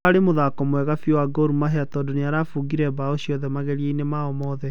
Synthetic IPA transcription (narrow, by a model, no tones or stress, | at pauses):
aɾemoðaːkɔmwɛɣafiowaɡoɾumaɦɛatɔːdoneaɾafuɡiɾɛbaoɕiɔðɛmaɣɛɾieinemaɔmɔːðɛ